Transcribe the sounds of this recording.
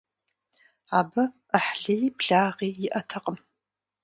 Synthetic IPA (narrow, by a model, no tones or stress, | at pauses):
aːbɐ | əħɮejbɮaːʁiːjɪʔɐtʰɐqʼəm